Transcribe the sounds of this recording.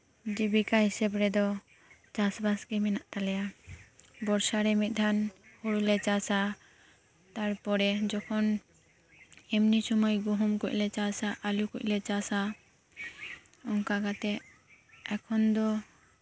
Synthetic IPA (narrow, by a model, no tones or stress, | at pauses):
d͡ʒibikaɦisɛbɾɛd̪ɔ | t͡ʃasbaskɛmɛnaʔt̪alɛja | bɔɾsaɾɛmit̪̚d̪ʱanhuɽulɛt͡ʃasa | t̪aɾpɔɾɛd͡ʒɔkʰɔn | ɛmnisɔmɔjɡuɦumkuc̚lɛt͡ʃasaʔalukuc̚lɛt͡ʃasa | ɔŋkakat̪ɛ | akʰɔnd̪ɔ